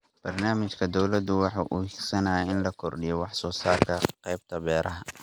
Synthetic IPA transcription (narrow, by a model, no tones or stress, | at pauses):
b̥ɐrnaːmɪt͡ʃkʰɐd̪ɔwlɐd̪ʊwɑħuːʔʊiksɐnaːjɛɪnlɐkʰɔrɖɪjɔwɑħsɔːsaːrkʰɐqɑjb̚t̪ʰɐbɛːɾʔɐɦɐ